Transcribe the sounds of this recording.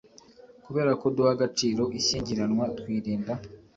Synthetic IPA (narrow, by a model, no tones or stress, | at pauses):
kuβe̞ːɾako̞duhaɡat͡ʃiːɾo̞ʔiɕiːɲɟiɾanwat̪wiːɾiːnda